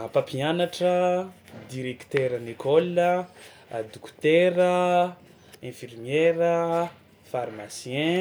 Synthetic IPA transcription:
apapianaʈ͡ʂəd̪iɾekt̪eɾanekɔlə | d̪ukt̪eɾə | ɛ̃firmjeɾə | faɾmasjɛ̃

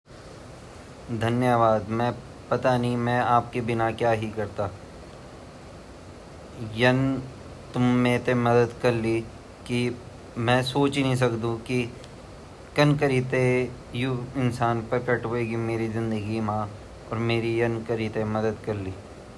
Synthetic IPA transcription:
d̪ʱɐnjəʋaːd̪mɛ̃ː | pɐt̪anĩmɛ̃ːaːp̚kibɪnakjaːɦikɐɾt̪aː | jɐn | t̪ʊmːẽːt̪emɐd̪əd̪kɐɾli | ki | mɛ̃ːsoːt͡ʃnəɦĩs̬ɐkd̪ũki | kɐnkəɾit̪e | jʊɪnsaːnpɐkɐʈoeːɡimeːɾizɪ̃nd̪əɡimã | ɔːɾmeːɾijɐnkəɾit̪emɐd̪əd̪kɐɾliː

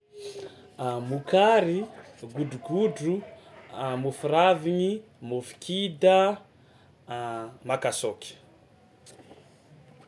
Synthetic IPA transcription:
mukaɾi | ɡuɖ͡ʐuɡuɖ͡ʐu | mufuɾaviɲi | mofi̥kʰid̪ə | makasokʲi̥

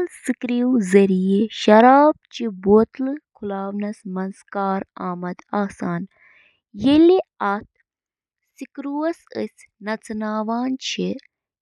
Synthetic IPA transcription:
lsikɾiwzɐɾijeʃɐɾaːb̚t͡ʃʰiboːt̪lɨkʰulaːʋnɐsmɐnskaːɾaːmɐd̪aːsaːn | jeliat̪̚ʰ | sikɾuwɐsəsʲnɐt͡sʰnaːʋaːnt͡ʃʰi

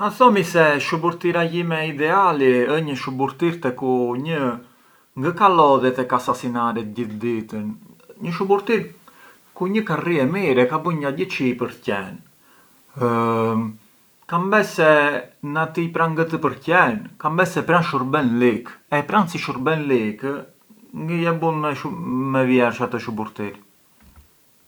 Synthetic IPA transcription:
aθɔmisɛʃubuɾt̪iɾaɟimɛid̪ɛaliəɲəʃubuɾt̪iɾt̪ɛkuɲə | ŋɡəkalɔðɛt̪ɛkasasinaɾɛt̪əɟiθd̪it̪ənɲəʃubuɾt̪iɾ | kuɲəkariɛmiɾɛkabəɲɡaɟət͡ʃipəɾcɛn | kambɛsɛnat̪ipɾanɡət̪əpəɾcɛnkambɛsɛpɾanʃuɾbɛnlikɛpɾansiʃuɾbɛnlik | ŋɡəjɛbunmɛmɛvjɛɾʃat̪əʃubuɾt̪iɾ

